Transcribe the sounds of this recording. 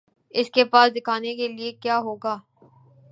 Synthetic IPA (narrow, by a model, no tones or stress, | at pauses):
ɪskepaːsd̪ɪkʰaːnekeliekjaːɦoːɡaː